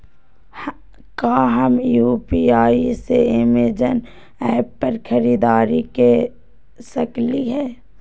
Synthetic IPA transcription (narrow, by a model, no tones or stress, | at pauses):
kaːɦɐmjuːpiaːiseɪmeːd͡ʒən | ɛːppəɾkʰəɾiːd̪aːɾike | sɐkliɦɛː